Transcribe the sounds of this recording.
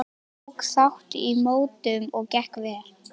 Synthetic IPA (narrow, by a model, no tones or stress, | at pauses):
ksawht̪imoːwt̪ʏmɔɣcɛhkvɛːɾ